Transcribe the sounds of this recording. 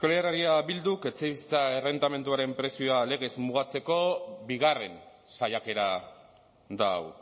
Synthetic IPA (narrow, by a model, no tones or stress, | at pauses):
ekolearaɾiaβild̪uke̞t͡sejβisi̥t͡saere̞nt̪ame̞nt̪uaɾe̞mpɾe̞sioale̞ɣ̞e̞zmuɣ̞at͡se̞ko̞biɣare̞n | sajake̞ɾa | d̪aw